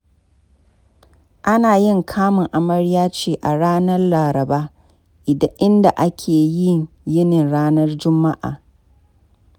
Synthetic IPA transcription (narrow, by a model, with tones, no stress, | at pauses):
ʔa˦naː˨jɪ˦˨ŋkʰaː˦mʊ˨ŋʔa˨mɐ˦ɽjaː˦t͡ʃeː˦ʔa˨ɽaː˦nɐ˦rlaː˨ɾɐ˨baː˦ | ʔɪ˨dɐ˦ʔɪ˦nda˨ʔa˦kʲʰeː˨jɪ˦˨ŋ | jɪ˦nɪ˨nɽaː˦nɐ˦rd͡ʒʊ˦mːa˦ʔa̰ː˨